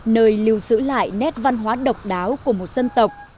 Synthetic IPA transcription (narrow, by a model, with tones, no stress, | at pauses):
nəː˧jli˨˧əwsɨ̰˧˥la̰ː˧˨jnɛ˦˥t̚va˧nɦwaː˨˦ɗə˨˩wk͡p̚ɗaː˨˦wku˧˩əmo˨˩t̚sə˧nt̪ə˨˩wk͡p̚